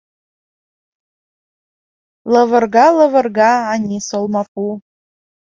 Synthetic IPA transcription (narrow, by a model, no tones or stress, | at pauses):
ləvə̆rɣɑlə̆və̆rɣɑːnʲisolˠmɑpu